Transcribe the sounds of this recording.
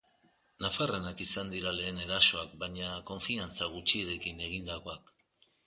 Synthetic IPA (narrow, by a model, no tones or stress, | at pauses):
nafaranakisand̪iɾale̞ːne̞ɾaso̞akbajɲako̞ɱfiant͡saɣ̞ut͡ʃieɾe̞kine̞ɣ̞ind̪ako̞ak